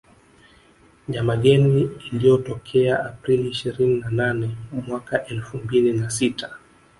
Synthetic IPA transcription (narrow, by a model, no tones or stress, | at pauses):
ɲamaɠɛniilijɔtɔkʰɛaʔapɾiliːʃiɾininananɛmwakaʔɛlfumbilinasitʰḁ